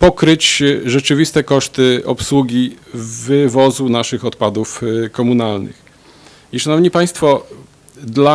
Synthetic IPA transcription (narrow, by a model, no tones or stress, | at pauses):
pɔkɾɘt͡ɕʐɛt͡ʂɘvʲist̪ɛkɔʂt̪ɘɔpswuɡʲivɘvɔzunaʂɘxɔt̪pad̪ufkɔmunalnɘ̰x | iʂanɔvɲipaj̃st̪fɔ | d̪la